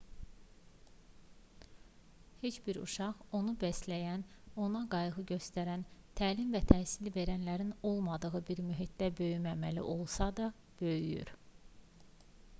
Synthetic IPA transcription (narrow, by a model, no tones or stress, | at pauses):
het͡ʃbiɾṵʃɑʁo̞nubæslæjæno̞nɑɡɑjɯʁɯɟø̞st̪æɾænt̪ʰæːlimvæt̪ʰæhsilve̞ɾænlæɾino̞lˠmɑd̪ɯɣɯbiɾmyɦit̪̚d̪æbø̞jymæmælḭʔo̞lˠsɑd̪ɑ | b̥ø̞jyjy̰ɾ